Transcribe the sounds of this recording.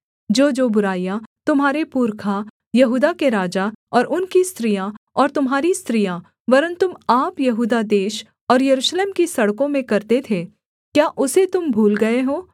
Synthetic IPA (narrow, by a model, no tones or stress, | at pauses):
d͡ʒoːd͡ʒoːbʊɾaːjat̪ʊmɦaːɾepuːɾkʰa | jɐɦuːd̪akeɾaːd͡ʒaɔːɾʔʊnkist̪ɾijaɔːɾt̪ʊmɦaːɾist̪ɾija | pɐɾənt̪ʊmaːpjɐɦuːd̪ad̪eːʃ | ɔːɾjɐɾuːʃleːmkisɐɽkõmẽkɐɾt̪et̪ʰe | kjaːʔʊset̪ʊmbʱuːlɡɐeɦoː